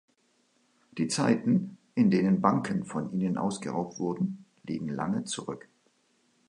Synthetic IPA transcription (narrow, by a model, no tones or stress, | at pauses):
d̥iːt͡saɪtn̩ʔɪndeːnənbaŋkʰənfɔnʔiːnənʔa̰ʊsɡ̥əʁa̰ʊp̚tv̥ʊɐdn̩ | lḭːɡŋ̩la̰ŋət͡suʁʏk